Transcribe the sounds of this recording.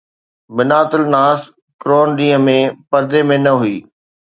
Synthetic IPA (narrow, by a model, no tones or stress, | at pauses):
bɪnaːt̪ɪlnaːs | kɾoːnɗĩːɦə̃mẽpɐɾd̪emẽnɐɦuiː